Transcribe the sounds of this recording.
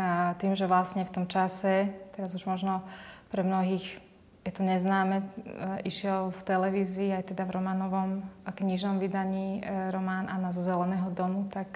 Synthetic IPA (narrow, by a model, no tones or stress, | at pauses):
t̪iːmʒɛʋlasɲɛft̪ɔmt͡ʃasɛt̪ɛɾazuʒmɔʒnɔpɾɛmnɔɦiːx | jɛt̪ɔɲɛznaːmɛiʃɪɛlft̪ɛlɛʋiːziːajt̪ɛd̪avɾɔmaːnɔʋɔmkɲiʒnɔmʋid̪aɲiːɾɔmaːnanazɔzɛlɛnɛːɦɔd̪ɔmut̪ak